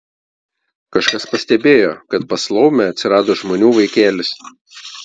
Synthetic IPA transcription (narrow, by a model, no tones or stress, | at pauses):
kɐʃkɐspɐsʲt̪ʲɛbʲeːjoːkɐt̪̚pɐslˠɐʊmʲɛɐt̪ʲsʲɪɾɑːd̪oːʒmoːnʲuːʋɐɪkʲeːlʲɪs